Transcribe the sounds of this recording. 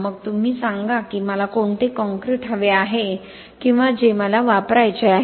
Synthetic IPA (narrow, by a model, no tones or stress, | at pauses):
məɡt̪um̤iːsãŋɡakiːməlakoɳt̪ekɔ̃ŋkɾiʈʰɦəʋeaɦe | kĩw̃ʋad͡ʑeməlaʋapɾajt͡ɕeaɦ